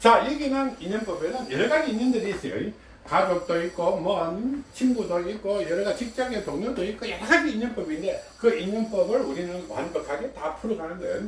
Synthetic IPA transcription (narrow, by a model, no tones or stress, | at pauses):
t͡ɕajeɡinɯniɲʌnp͈ʌbenɯnjʌɾɯɡad͡ʑiinːɯndɯɾis͈ʌjo̰i | kad͡ʑok̚t͈oik͈omʌnt͡ɕʰimɡudoik͈ojʌɾɯɡat͡ɕik̚t͡ɕ͈aɡetoŋɲoɭdoik͈ojaaɡiːɲːʌnp͈ʌbinde̞kɯiɲːʌnp͈ʌbɯɭuɾinɯnwa̰nbʌkʰaɡe̞tapʰuɾoɡanɯndɯ̰n